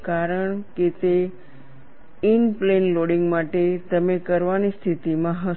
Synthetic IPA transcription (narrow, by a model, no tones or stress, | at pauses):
kaɾəɳket̪e | inplenloɽiŋɡmaʈet̪əmekəɾʋanist̪ʰit̪imãɦə